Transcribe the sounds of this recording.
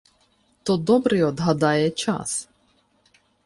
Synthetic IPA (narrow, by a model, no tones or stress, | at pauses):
t̪ɔd̪ɔbɾɛjɔd̪ɦɐd̪ɑjɛt͡ʃa̰s